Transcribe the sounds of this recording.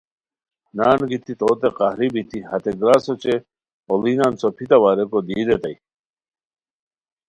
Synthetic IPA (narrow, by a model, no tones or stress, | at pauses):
naːnɡit̪it̪oːt̪eqahɾibit̪ihɐt̪eɡɾaːsot͡ɕe | olinansopʰit̪ɐwaːɾekod̪iːd̪et̪ɐj